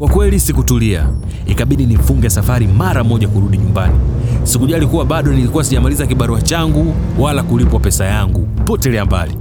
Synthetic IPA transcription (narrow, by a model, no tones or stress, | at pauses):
kwakwɛlisikutulia̰ | ikaɓiɗinifuŋɡɛsafaɾimaɾamɔʄakuɾuɗiɲumbanisikuʄalikuwaɓaɗɔnilikuwasiʄamalizakiɓaɾuat͡ʃaŋɡu | walakulipwapɛsajaŋɡupɔtɛlɛamba̰li